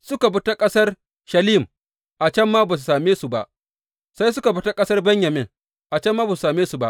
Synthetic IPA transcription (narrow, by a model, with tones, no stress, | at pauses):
sʊ˦ka˨bʊ˦ta˦kʼɐ˦sɐ˦r | ʃɐ˨liː˦m | ʔa˨t͡ʃɛ˦mːaː˦baː˨s̬u˨saː˨meː˦su˨ba˨ʔ | sa˦jsʊ˦ka˨bʊ˦ta˦kʼɐ˦sɐ˦rbɛ˦ɲjɐ˨mɪ˦ŋ | ʔa˨t͡ʃɛ˦mːaː˦baː˨s̬u˨saː˨meː˦su˨ba˨ʔ